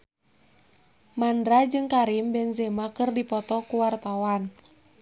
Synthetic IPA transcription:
mandɾad͡ʒɨŋkaɾimbɛnzemakɨrdipɔt̪ɔkuwart̪awan

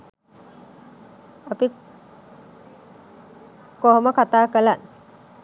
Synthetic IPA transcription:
api | kohmakʰat̪akalan

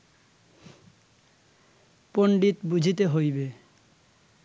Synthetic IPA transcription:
poɳɖit̪bud͡ʑʱit̪eɦojbe

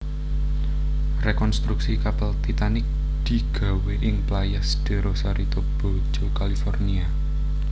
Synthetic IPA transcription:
rekɔnst̪ɾuksikapəlt̪it̪anɪk̚ | d̪̥i̤ɡ̥a̤weʔɪŋplajasd̥ə̤ɾosaɾit̪ob̥o̥ | d͡ʒokalifɔrnia

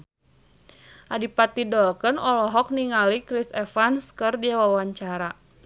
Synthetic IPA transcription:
ʔadipat̪idɔlkənɔlɔɦɔk̚niŋalikɾisɛfanskɨrdiawawaɲt͡ʃaɾa

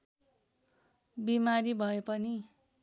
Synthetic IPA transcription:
bimaɾibʱʌepʌni

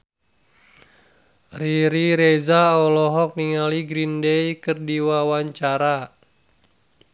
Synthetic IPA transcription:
riɾiɾezaɔlɔɦɔk̚niŋaliɡɾindejkərdiwawaɲt͡ʃaɾa

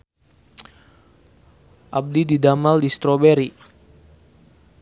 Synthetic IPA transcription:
ʔab̚dididamaldist̪ɾobeɾi

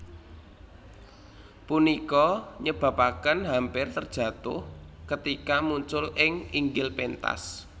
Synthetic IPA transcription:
punikɔɲəb̥a̤pakənɦampɪrt̪ərd̥ʒ̥ä̤t̪ʊ̰hkət̪ikamuɲt͡ʃʊlɪŋiŋɡɪlpent̪a̰s

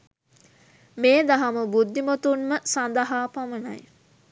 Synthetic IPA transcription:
meːd̪aɦaməbud̪ːimot̪unməsand̪əɦaːpaməna̰j

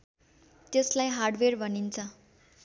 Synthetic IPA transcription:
t̪eslajɦarɖwerbʱʌnint͡sʰʌ

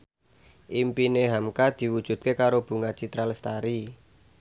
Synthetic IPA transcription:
ʔimpineɦamkad̪̥i̤wud̥ʒ̥ṳt̪̚kekaɾob̥ṳŋat͡ʃit̪ɾalst̪aɾi

